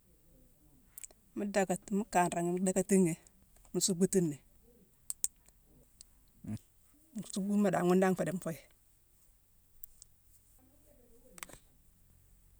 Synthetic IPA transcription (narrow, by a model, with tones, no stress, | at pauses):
mu˦da˨ka˨tmu˦ka˨nɾa˨ŋi˦mu˦da˦ka˦ti˦ŋe˨ | mu˨˦su˦ɡu˦ti˦nːe˨ | m˨su˦ɡu˦ma˨da˨ŋu˦nda˦ŋfe˨de˨m˨fo˦j